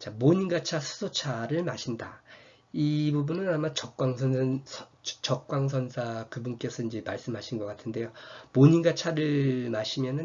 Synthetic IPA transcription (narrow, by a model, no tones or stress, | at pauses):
t͡ɕamoɲinɡat͡ɕʰasʰu̥sʰot͡ɕʰaɾɯɭmaɕʰinda̰ | ibubunɯnamat͡ɕʌk̚k͈waŋsʰʌnʌt͡ɕʌk̚k͈waŋsʰʌnsʰakɯbunk͈e̞sʰʌind͡ʑemaɭs͈ɯmɦaɕʰinɡʌk͈atʰɯnde̞jomoɲinɡat͡ɕʰaɾɯɭmaɕʰimjʌnɯn